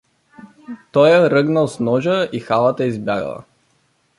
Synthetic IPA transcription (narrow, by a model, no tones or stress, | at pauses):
t̪ɔjəɾɤɡnəlˠsnɔʒəixalˠət̪aizbʲjaɡə̰l̰ˠ